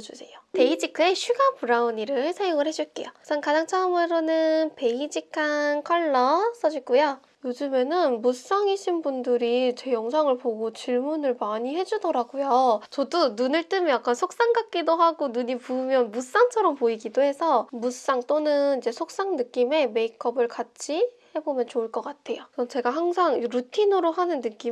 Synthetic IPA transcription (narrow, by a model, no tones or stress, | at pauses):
d͡ʑusʰe̞jope̞id͡ʑikʰɯeɕʰɥiɡapuɾauniɾɯɭsʰajoŋɯɭhe̞d͡ʑuɭk͈e̞̰josʰʌnkad͡ʑaŋt͡ɕʰaʌmɯɾonɯnpe̞id͡ʑikʰankʰʌɭːʌs͈ʌd͡ʑik͈ujo | jod͡ʑume̞nɯnmus͈aŋiɕʰinbundɯɾit͡ɕe̞jʌŋsʰaŋɯɭpoɡot͡ɕiɭmunɯɭmaɲihe̞d͡ʑudʌɾaɡojot͡ɕʌdununɯɭt͈ɯmijak͈ansʰok̚s͈aŋɡak͈̚idoɦaɡonuɲipuːmjʌnmus͈aŋt͡ɕʰʌɾʌmpoiɡidohe̞sʰʌmus͈aŋt͈onɯnid͡ʑe̞sʰok̚s͈aŋnɯk͈ime̞me̞ikʰʌbɯɭkat͡ɕʰihe̞bomjʌnt͡ɕoɯɭk͈ʌk͈atʰe̞josʌt͡ɕe̞ɡaɦaŋsʰaŋɾutʰinɯɾoɦanɯnːɯk͈i